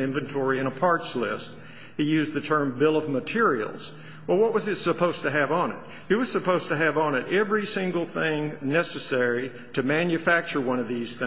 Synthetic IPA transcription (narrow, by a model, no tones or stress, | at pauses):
ɪ̃ɱvɨ̃ntʰɔɹiɨ̃ɾ̃əpʰɑɹtslɪ̰st̚ | hijʉzðɨtʰɜ̃˞mbɪlˠʌvmətʰɪɹḭl̩ˠz̥ | wɛlˠwʌt̚wʌzɨtsəpʰoʊz̥tɨɨvn̩ɪ̰t̚ | hiwʌz̥sɨpoʊz̥tɨɨvn̩ɨɾɛvɹisɪ̃ŋɡl̩ˠθɪ̃ŋnɛsɨsɛɹi | ɾɨmæ̃njɨfæk̚t͡ʃə˞wʌ̃ñʌvðiz̥θɪ̃